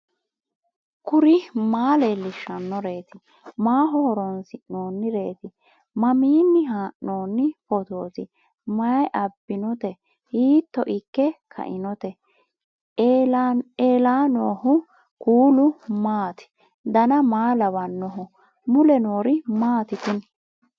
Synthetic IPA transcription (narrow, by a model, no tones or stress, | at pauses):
kʊɾɪmaːlelɪʃːɐnːɔɾe̞ːt̪ɪ | maːɦɔɔɾɔnsɪnoːnːɪɾe̞ːt̪ɪ | mɐmiːnːɪɦaːʔnoːnːɪpɔt̪o̞ːt̪ɪ | mɐjʔɐbːɪnɔt̪ɛ | hiːt̪ːɔʔɪkːɛkʰɐ̰ʔɪnɔt̪ɛ | eːlaːnoːhʊ | kuːlʊmaːt̪ɪ̥ | d̪ɐnɐmaːlɐβɐnːɔɦʊ | mʊlɛnoːɾɪmaːt̪ɪt̪ɪn